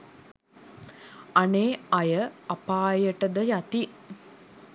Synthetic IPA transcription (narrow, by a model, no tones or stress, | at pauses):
aneːajəapaːjəʈəd̪əjat̪i